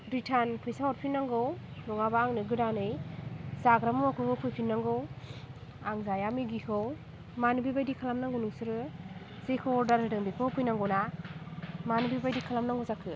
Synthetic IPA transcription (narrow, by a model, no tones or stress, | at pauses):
ɾitʰanpʰɯjsawɔɾpʰinːaŋɡɯwnɔŋabaːŋnɯɡɯdanɯjzaɡɾamuakʰɯkʰɯwpʰujpʰinːaŋɡɯw | aŋzajamiɡikʰɯw | manubibajdikʰalamnaŋɡonuŋsɯɾɯ | sekʰɯwɔɾdaɾɯdɯŋbikʰɯpʰɯjnaŋɡowna | manubibajdikʰalamnaŋɡɔzakʰɯ